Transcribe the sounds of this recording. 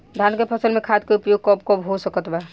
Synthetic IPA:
d̪ʱankepʰəsəlmekʰad̪keupjoɡ̚kɔbkɔbɦosəkət̪ba

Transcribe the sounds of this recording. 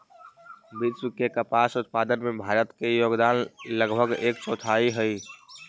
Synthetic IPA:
bid̪skekəpasut̪̚pad̪ənmebʱaːɾət̪kejoːɡd̪anləɡbʱəɡeːkt͡ʃɔt̪ʰaiɦəj

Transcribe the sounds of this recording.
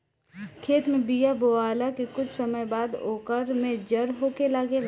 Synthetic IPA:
kʰeːt̪mẽbijaboaːlakekʊt͡ʃʰsɐməjbaːd̪oːkəɾmẽd͡ʒɐɾɦoːkelaːɡe

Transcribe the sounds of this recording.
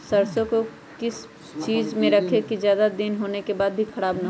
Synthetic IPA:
sɐɾsõko | kɪs | t͡ʃiːd͡ʒmẽɾɐkʰekizjaːd̪ad̪ɪnɦoːnekebaːd̪̚bʱikʰɐɽaːbnɐɦ

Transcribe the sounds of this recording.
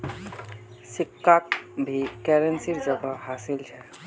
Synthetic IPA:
sɪkːakbʱikɛːɾensiɾd͡ʒəɡahaːsɪlt͡ʃʰɛ

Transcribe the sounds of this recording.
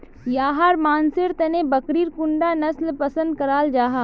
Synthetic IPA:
jaːɦaːɾmaːnsɪɾt̪ɛnebɐkɾiːɾkʊɳɖanɐslpɐsə̃nd̪̚kɐɾaːld͡ʒaːɦaː

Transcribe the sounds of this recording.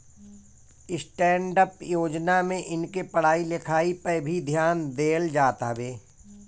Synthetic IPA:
ɪsʈɛːɳɖəpjoːd͡ʒnamẽʔɪnkepəɽ̤aːilɪkʰaːipəbʱid̪ʱjaːnd̪eːld͡ʒaːt̪a̰beː

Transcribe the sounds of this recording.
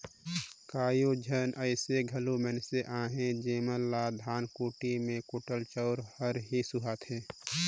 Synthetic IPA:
kaːjod͡ʒʱənʔəɪseɡʱəlumɛnseʔãːɦẽd͡ʒeːməlːad̪ʱaːnkoːʈimẽkoːʈəlt͡ʃəʊɾhəɾɦisʊɦat̪ʰɦẽː

